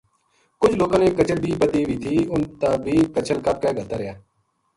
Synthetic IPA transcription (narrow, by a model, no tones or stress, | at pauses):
kʊd͡ʒʱloːkãːnẽːkət͡ʃʰəɾb̪ʱiːpət̪iːʋiːt̪ʰiːʊnt̪aːbʱiːkət͡ʃʰəlkəp̚kɛːɡəlt̪aːɾɪjaː